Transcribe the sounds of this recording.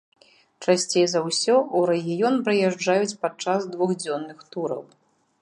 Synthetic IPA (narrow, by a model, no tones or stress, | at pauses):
t͡ʂasʲt͡sʲejzɐwsʲɔʔuɾɛɣʲijɔnpɾɨjaʐd͡ʐajut͡sʲpat͡ʂazd̪vuɣd͡zʲɔnːɨxt̪uɾɐ̰w